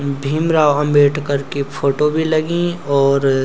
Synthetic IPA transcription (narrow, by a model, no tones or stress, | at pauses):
bʱimɾaːwɐ̃mbeːʈkɐɾkepʰoːʈobʱilɐɡĩɔːɾ